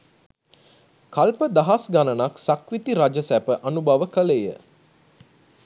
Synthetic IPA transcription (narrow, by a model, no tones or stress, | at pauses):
kalpəd̪aɦasɡanənaksakʋit̪iɾad͡ʒəsæpəʔanubaʋəkəlejə̰